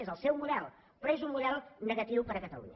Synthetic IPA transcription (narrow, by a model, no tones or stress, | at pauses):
ezɐlˠsewmuðɛlˠ | pɾezũŋmuðɛlˠnɨɣɐt̪iβupɐɾɐkɐt̪ɐ̰lṵɲɐ